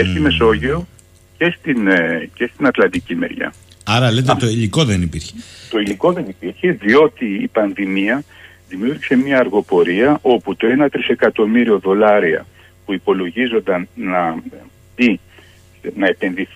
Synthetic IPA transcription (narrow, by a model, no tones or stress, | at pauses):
est̪ime̞so̞ʝio̞ | ce̞st̪ince̞st̪inɐt̪lɐnd̪icime̞̰ɾʝɐ̰ | ɐɾɐlet̪et̪oiliko̞ðenipiɾçe̥t̪o̞iliko̞ðe̞nipiɾçe̞ðio̞t̪iːpɐnðimiɐ | ðimjuɾçise̞mɲɐːɾɣo̞po̞ɾiɐʔo̞put̪o̞e̞nɐt̪ɾise̞kɐt̪o̞miɾio̞ðo̞lɐɾiɐ̰ | puipo̞lo̞ʝizo̞nd̪ɐnnɐ | b̪̥i | nɐe̞pe̞nðiθ